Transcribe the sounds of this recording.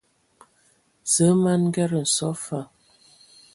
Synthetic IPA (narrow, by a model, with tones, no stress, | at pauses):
zə˨˦ma˦n˦ɡɛ˦ɾə˨n̩˨sɔ˦fa˦˨